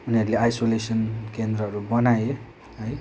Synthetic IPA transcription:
uniɦʌɾuleajsolesʌnkend̪ɾʌɦʌɾubʌnaje | ɦʌj

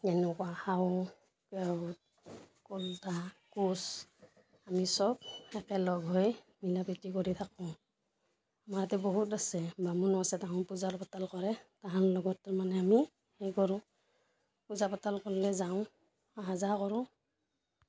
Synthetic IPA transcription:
ɛnɛkwahaw | kɛt̚ | kɔltakus | amisɔb̚ɛkɛlɔɡʱɦoj | milapitikɔɹitʰakɔ̃ | amaɹatɛbɔɦutasɛbamunɔasɛtaɦɔ̃ʊpuzapɔtalkɔɹɛtaɦanlɔɡɔtːaɹmanɛami | hɛjkɔɹʊ̃ | puzapatalkɔlːɛzaʊ̃ | aɦazakɔɹʊ̃

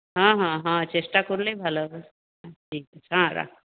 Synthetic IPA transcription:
ɦãɦãːɦãt͡ʃesʈakuɾlebʱalob | aʈʰiːkət͡ʃʰɦãɾa̰

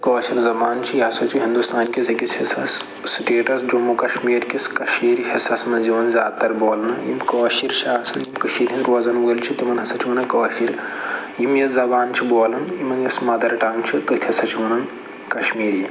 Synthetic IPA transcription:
kɐːʃiɾzɐbaːnt͡ʃʰijɦɐsɐt͡ʃʰiɦind̪ust̪aːnkʲizɐkʲishɐsɐs | siʈeːʈɐsd͡ʒomukɐʃmiːɾkʲiskɐʃiːɾiɦɐsɐsmɐnziʋɐnzʲaːd̪̚t̪ɐɾboːlnɐjḭmkɐːʃiɾt͡ʃʰaɦɐsɐnjimkɐʃiːɾɦinɾʋɐzɐnbəːlt͡ʃʰit̪imɐnɦɐsɐt͡ʃʰimɐnɐkɐːfiɾjimjɐzɐbaːnt͡ʃʰiboːlɐnjimɐnjɐsmɐd̪ɐɾʈaːmt͡ʃʰit̪ɐt̪ʲʰɦɐsɐt͡ʃʰimɐnɐn | kɐʃmiːɾi

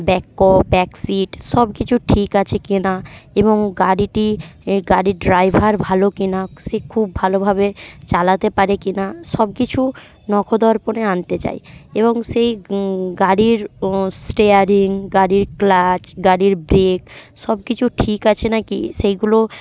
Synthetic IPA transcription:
bɛkːopbɛksiʈʃɔb̚kit͡ɕʰuʈʰikat͡ɕʰekinaeboŋɡaɽiʈiɡaɾiɖɾajbʱaɾbʱalokinaʃekʰubʱalobʱabet͡ɕalat̪epaɾekinaʃɔb̚kit͡ɕʰu | nɔkʰod̪ɔɾponeant̪et͡ɕa̰jeβoŋʃejɡaɾiɾsʈeaɾiŋɡaɽiɾklat͡ɕɡaɽiɾbɾek | ʃɔb̚kit͡ɕʰuʈʰikat͡ɕʰenakḭʃejɡulo

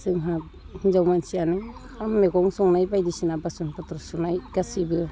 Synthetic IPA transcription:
sɯŋɦap̚ | nzawmansianɯŋ | hamːeɡɔŋsɔŋnajbajdisinabasɔnpɯtɾɔsɔnajɡasibɯ

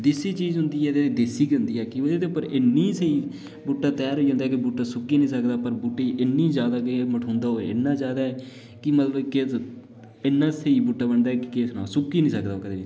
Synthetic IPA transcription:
d̪ɪsiːt͡ʃiːzɦʊ̃nd̪iːɦɛːt̪eːt̪eːd̪ɪsiːɡə̃nd̪iːɛːkɪʋəd̪eːd̪eʊpːəɾɪnːiːseiː | bʊʈːaːt̪ɛːɾɦoːiːd͡ʒãːnd̪aɛːkɪbʊʈːaːsʊkːiːnĩːsəkd̪aːpəɾbʊʈːeːiːʔɪnːĩːzaːd̪aːkməʈʰõːnd̪aːɦoːḛːɪ̰nːãːzjaːd̪aːɦɛː | kɪmət̪ləbke | ɪnːãːseiːbʊʈːaːbəɳd̪aːɛːkɪkeːsnaːsʊkːiːnĩːsəkd̪aːkəd̪eːi

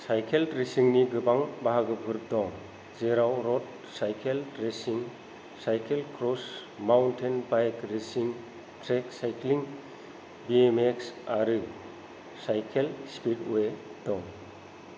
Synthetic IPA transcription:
sajkʰeldɾesiŋniɡɯbaŋbaɦaɡɯbʱɯɾp̚dɔŋ | zeɾawɾɔt̚ | sajkʰeldɾesiŋ | sajkʰelkɾɔs | mawntʰenbajkɾisiŋ | tɾeksajkʰliŋ | biemeksaɾɯ | sajkʰelspit̚wedɔŋ

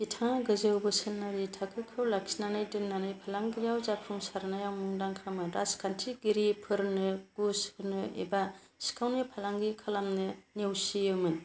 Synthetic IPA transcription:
itʰaŋaɡɯzɯwbɯsɯnnaɾitʰakʰɯkʰɯwlaksinanɯjdɯnnanɯjpʰalaŋɡijawzapʰuŋsaɾnajawmuŋdaŋkʰamɯɾaskʰantʰiɡiɾipʰɯɾnɯɡ̥usɯnɯḛba | si̥kʰawnɯpʰalaŋɡikʰalamnɯnewsijɯmɯn

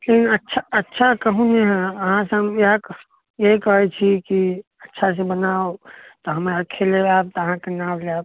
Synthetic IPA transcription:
lekinətːʃʰaətːʃʰakəɦũneɦɛ̃əɦãseəmjeɦk | jeɦkəɦɛt͡ʃʰiki | ətːʃʰas̬ebənaot̪oɦəmeəkʰːeleaːb̚t̪oəɦãkenawleab̚

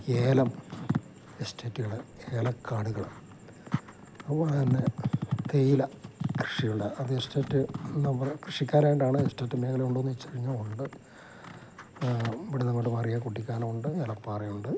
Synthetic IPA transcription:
eːlɐm | esteːtːɨɣɐɭɨmeːlɐkʰaːɽuɣɐɭum | ɐpːoːɭt̪ɐnːe̞t̪ejilɐkrɨʂijuɭɖɐɐðɨeste̞ːtːɨnɐmːɐkrɨʂikʲːaːnaːjɳɖaːɳɨesteːtːɨmeːkɐleuɳɖuonːuʋit͡ɕːɐriɲːɐuɳɖɨ | iʋiɽinɐmːɐʈːɨmɐrijakuʈ̬ːikʲːaːlɐmuɳɖɨeːlɐpaːrɐjuɳɖɨ

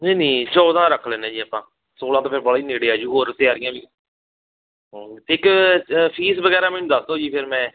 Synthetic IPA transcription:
eːniːt͡ʃɔːd̪ãːɾəkʰleːnẽːd͡ʒiːəpãː | soːlãːt̪õːpʰɪɾbəɽaːiːneːɽeaːd͡ʒiːɦoːɾt̪ɪaːɾɪjãːʋiː | t̪eːkpʰiːsbəɡɛːɾaːmɛ̃ːnũːd̪əsd̪õːd͡ʒiːpʰɪɾmɛ̃ː

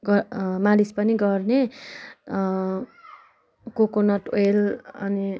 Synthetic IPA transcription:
ɡʌmalispʌniɡʌrne | kokonʌʈoelʌ̰ni

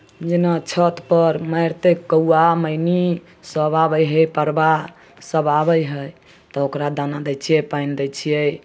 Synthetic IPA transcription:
d͡ʒenat͡ʃʰət̪pəɾməjɾt̪ekəuaməjni | səβabəjɦəpəɾba | səbabəjɦə | t̪ɔokɾad̪anad̪ət͡ʃʰiɛpajnd̪əjt͡ʃʰijɛ

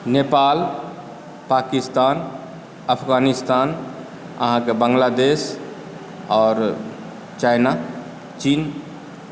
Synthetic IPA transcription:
nepaːl | paːkɪst̪aːn | ɐpʰɡaːnɪst̪aːn | ɐ̰ɦãkebə̃ŋɡlad̪eːs | ɔːɾ | t͡ʃaːɪna | t͡ʃiːn

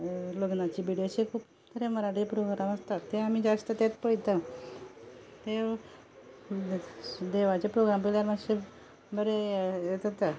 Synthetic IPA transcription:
loɡnat͡ɕiːbiɽijoɕekʰuːp | t̪ʰəɾeməɾaʈipɾoɡɾamast̪at̪ːeamiːd͡ʑast̪ət̪at̪pəɽit̪ə | t̪e | d̪eʋat͡ɕepɾoɡɾampəlaɾmaɕe | bəɾeet̪ət̪a

